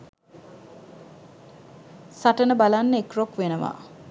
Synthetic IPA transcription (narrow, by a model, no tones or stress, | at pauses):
saʈənəbalanːəekrokʋenəʋa̰